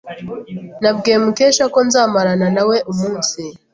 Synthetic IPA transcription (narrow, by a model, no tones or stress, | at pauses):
nabɡeːmukeːʃako̞nzaːmaɾananawe̞ʔumuːnsi